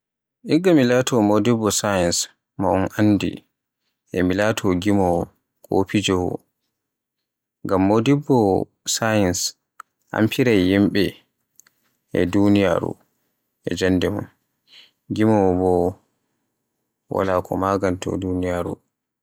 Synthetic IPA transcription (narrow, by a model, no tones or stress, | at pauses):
ʔiɡamilatʰɔmodibːɔsajɛns | maɔnʔandḭ | ʔɛmilatʰɔɡimɔ | kʰʼo̰pid͡ʒɔwɔ̰ | ŋɡamːodibːɔ | sajɛns | ʔa̰mpʰiɾajːimɓɛ | ɛ̰dunija̰ɾṵ | ʔɛ̰d͡ʒandɛmṵn | ɡimɔbɔ | wa̰laːkʰɔmaɡantʰɔ̰dunijaɾu